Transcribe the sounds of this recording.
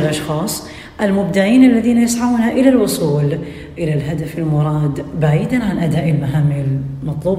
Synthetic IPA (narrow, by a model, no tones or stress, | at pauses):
lʔɑʃxɑːsˤ | ʔalmʊbd̪ɪʕiːnalːaðiːnajɪsʕauːnaʔɪlalwʊsˤuːl | ʔɪlalɦad̪afɪlmʊɾˤɑːd̪baʕiːd̪anʕanʔad̪aːʔɪlmaɦaːmːilmɑt̪ˤluːb